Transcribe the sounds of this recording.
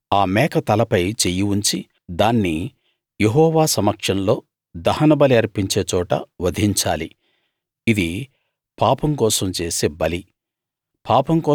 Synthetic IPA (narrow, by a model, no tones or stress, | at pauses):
aːmɛːkɐt̪ɐlɐpɐjt͡ʃejiuɲt͡ʃi | d̪aːnːi | jeɦɔːʋaːsɐmɐkʂɐnlo̞ː | d̪ɐhɐnɐbɐliɐɾpiɲt͡ʃe̞ːt͡ʃɔːʈɐ̰ʋɐd̪ʱiɲt͡ʃa̰ːli | id̪i | paːpɐmkɔːsɐmt͡ʃe̞ːsebɐli | pʰaːpɐmkɔː